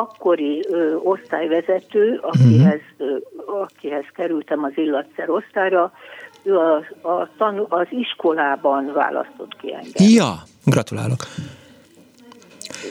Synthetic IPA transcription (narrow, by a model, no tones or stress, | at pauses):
ɒkːo̞ɾio̞st̪aːjvɛzɛt̪øːɒkiɛz | ɒkiɦɛskɛɾylt̪ɛmɒzilːɒt̪sɛɾo̞st̪aːjrɒøːɒɒt̪ɒnuɒziʃko̞laːbɒnva̰ːlɒ̰st̪o̞t̪kḭɛ̰ŋɡɛjɒ | ɡrɒt̪ula̰ːlok